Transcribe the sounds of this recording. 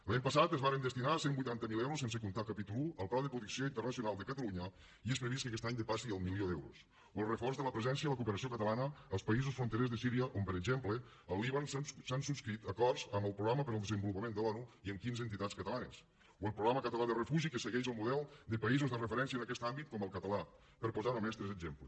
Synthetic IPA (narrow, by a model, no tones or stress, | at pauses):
laɲpəsat̪əzβaɾənd̪əst̪inasembujt̪ant̪əmilˠɛwɾusensəkunt̪akəpit̪ulˠuəlˠplaðəpɾuðiksioint̪ərnəsiunalˠd̪əkət̪əluɲə | ies̬pɾəβiskəkɛst̪aɲd̪əpasiəlˠmilioðɛwɾṵs | wəlˠrəfɔrzðələpɾəzɛnsiəðələkupəɾəsiokət̪əlanəːlˠspəizusfɾunt̪əɾezðəsiɾiəʔompəɾəɡʒemplə | əlˠiβanssansupskɾit̪əkɔrzəməlˠpɾuɣɾaməpəɾəlˠd̪əzəmbulupəmend̪əlɔnuiəmkinzənt̪it̪at͡skət̪əlanə̰s | uəlˠpɾuɣɾaməkət̪əlaðərəfuʒikəsəɣɛʃəlˠmuðɛlˠd̪əpəizuzðərəfəɾɛns̬iənəkɛst̪ambit̪̚kɔməlˠkət̪əla | pəɾpuzanumɛst̪ɾɛzəɡzemplə